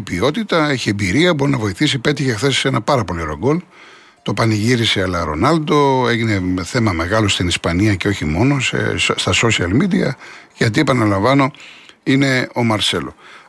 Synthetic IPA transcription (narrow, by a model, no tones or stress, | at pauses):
pio̞t̪it̪ɐe̞çiembiɾiɐbo̞ɾinɐvo̞iθisipe̞t̪içe̞xθe̞si̥senɐpɐɾɐpo̞liɾoɡo̞l | t̪o̞pɐniʝiɾiseɐlɐɾo̞̰nɐld̪o̞e̞ʝine̞θe̞mɐme̞ɣɐlo̞st̪inispɐniɐceo̞çimo̞no̞sḛst̪ɐso̞siɐlmid̪iɐ̰ʝɐt̪̬ie̞pɐnɐlɐɱvɐno̞ine̞o̞mɐɾse̞lo̞̰